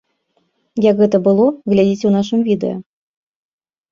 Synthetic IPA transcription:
jɐkɣɛt̪ɐbɨlˠɔɣlʲad͡zʲit͡sʲunaʂɨmvʲid̪ɛ̰jɐ̰

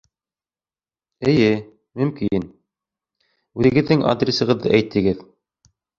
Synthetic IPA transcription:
ɘ̆jɘ | mɵ̆mkin | ʉðɘ̆ɡɘ̆ðːɘŋʔa̰d̪rʲisɤ̆ʁɤðːɤ̰ʔæjt̪ʰːɘ̆ɡɘð

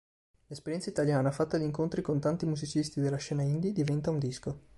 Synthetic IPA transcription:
lespeɾjɛntsait̪aljaːnafat̪ːad̪iːŋkont̪ɾikont̪ant̪imuzit͡ʃist̪id̪elːaʃɛːnaind̪id̪ivɛnt̪aund̪isko

